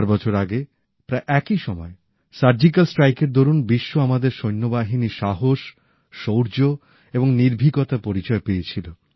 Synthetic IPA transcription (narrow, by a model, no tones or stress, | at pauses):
ɾbɔt͡ɕʰoɾaɡe | pɾaeʔɛkiʃɔmɔe | saɾd͡ʑikalsʈɾajkeɾd̪oɾunbiʃːoamad̪eɾʃojnːobaɦiniʃaɦoʃː | owɾd͡ʑo | eboŋniɾbʱiɡot̪apoɾit͡ɕɔepeet͡ɕʰilo